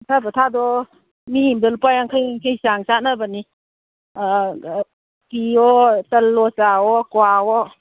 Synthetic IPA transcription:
tʰabɔtʰadɔ | mihimdalupajaŋkʰajŋkʰəjsaŋsanabani | kiɔtəlːɔsaɔkwaɔ

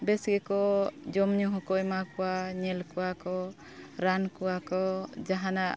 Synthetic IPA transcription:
bɛsɡɛkɔd͡ʒɔmɲuɦɔkɔjmakɔwaɲɛlkɔwakɔ | ɾankuwakɔd͡ʒaɦana

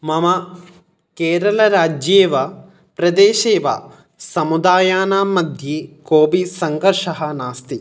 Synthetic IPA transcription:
mɐmɐ | keːɾɐlɐɾaːd͡ʒjeːʋɐ | pɾɐd̪eːʃeːʋa̰ | sɐmud̪aːjaːnaːmɐd̪ʱjikoːbisɐŋɡɐɾʂɐɦɐnaːst̪i

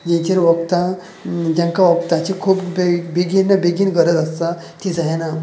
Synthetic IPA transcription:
d͡ʑẽɲt͡ɕeɾʋəkt̪a | d͡ʑãŋkaʋəkt̪at͡ɕikʰuːpbbiɡinːabeɡinɡəɾət̪əst̪a | t̪ʰid͡zajna

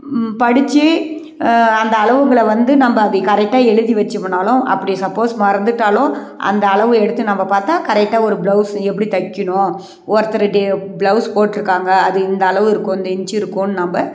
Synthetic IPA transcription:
pɐɽɪt͡ʃːɯ | ɐnd̪ɐːɭɐʋɯŋɡɐɭɐʋɐnd̪ɯnɐmbɐːðɯkɐɾɛk̚ʈːaːɛɻɯðiʋɐt͡ʃːɯmɳaːlʊ̃ʔɐ̰pːɐɽisɐpːoːsmɐɾɐnd̪ɯʈːaːlʊ̃ | ʔɐ̰nd̪ɐːɭɐʋɯ̃ɛɽɯt̪ːɯnɐmbɐpaːɾt̪ãːkɐɾɛk̚ʈːaːɔɾɯbɭɐʊsɛpːɐɽit̪ɐkːɪɳʊ̃ | ɔɾɐt̪ːɐɾɐɖebɭɐʊspoːʈːɪɾɯkːaːŋɡɐːðɯɪnd̪ɐːɭɐʋɪɾɯkːʊ̃ɪnd̪ɛɲt͡ʃɪɾɯkːʊ̃ːnɯnɐmbɐ

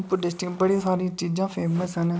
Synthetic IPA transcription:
pʊɖɪsʈibəɽĩːsaːɾĩːt͡ʃiːd͡ʒãːpʰeːməsɦən

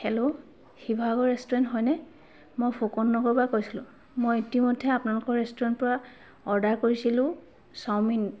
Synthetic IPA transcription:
hɛlo | xibʱaɡɔɹɛstɔɹɛntɦɔjnɛ | mojpʰokɔnːɔɡɔɹbakojsilʊ̰̃ | mojitimɔdʱːɛapʊnalʊkɔɹɹɛstɔɹɛntpɔɹa | ɔɹdaɹkoɹisilʊ̃ | sawmin

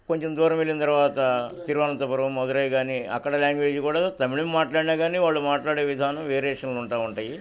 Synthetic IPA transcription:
koɲt͡ʃemd̪ɔːɾɐmelːinɐt̪ɐɾʋaːt̪ɐt̪iɾʋaːnɐnt̪ɐpɐɾɐʋumɔd̪ɐɾɐjɡaːniɐ̰kːɐɽɐlaːŋɡʋe̞ːd͡ʒikuːɽat̪ɐmiɭimːaːʈlaːɽinaːɡaːniːʋaːɭːumaːʈlaːɽeːʋid̪ʱaːnɐmʋeːɾeːʂɐnluɳʈaːʋuɳʈaːji

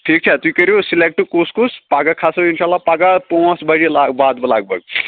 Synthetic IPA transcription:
ʈʰiːk̚t͡ʃʰɐt̪uikɐɾjosilek̚ʈukuskuspaɡakʰasɐinʃaːlːapaɡapõsbɐɽilaɡbaːd̪̚bɐlaɡ̚bʱɐɡ̚

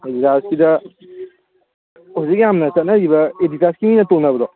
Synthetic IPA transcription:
editaskidɐ | uzik̚jamnɐsɐt̚naɾibɐeditaskiminɐtonabɐdɔ

